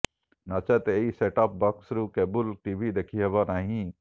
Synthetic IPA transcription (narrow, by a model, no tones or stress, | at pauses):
nat͡ʃɐt̪eiseːʈaːp̚baksɾukeːbʊlʈiʋid̪ekʰiɦɛbanaːɦĩ